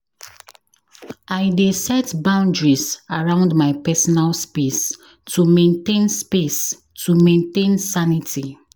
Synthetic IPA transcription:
aɪdesɛtbãʊ̃ndɹisaɹãʊ̃ndmaɪpɛsɔnalspes | tʰumẽntẽnspes | tʰumẽntẽnsanitʰi

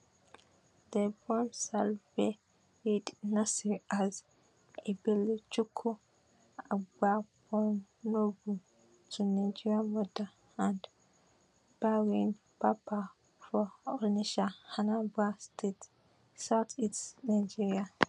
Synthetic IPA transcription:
dəbɔ̃msalve | ɹidnasiʔaz | ebilit͡ʃukʰu | aɡ͡babɔm | nobu | tunaɪd͡ʒiɹiamɔda | ãnd | b̥ɛɹĩn | papʰa | fɔɔniʃahanabastʰet | saʊtitnaɪd͡ʒiɹia

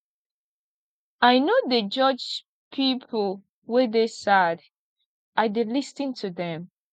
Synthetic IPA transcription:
ajnodəd͡ʒɔd͡ʒ | pʰipʰəl | wɛdesad | ʔaɪdilisĩntʰuðɛ̃m

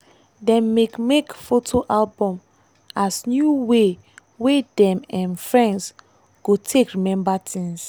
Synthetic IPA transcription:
dɛ̃mːekmekfotʰoʔalbɔ̃m | asnjuwe | wedɛ̃mãnfɹɛ̃nds | ɡ̥otʰekɹimɛ̃mbatʰĩŋs

